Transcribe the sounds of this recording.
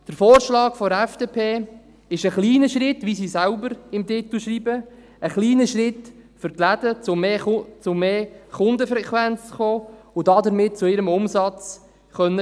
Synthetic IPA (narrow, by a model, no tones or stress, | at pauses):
d̥əɾfoːɾʃlɑːkfɔɛfd̥eːpʰeː | ɪʃəχliːnəʃʁɪtʋisiːsælbəɾɪmtɪt̪l̩ʃriːbə | əχliːnəʃrɪt̪fʏrtlæd̥ət͡sʊmet͡sʊmeːχʊnd̪əfɾɛkʋænt͡sχoːʊdɑdəɾmɪt̚t͡sʊɪɾəmʊmsɑt͡s | χœnːə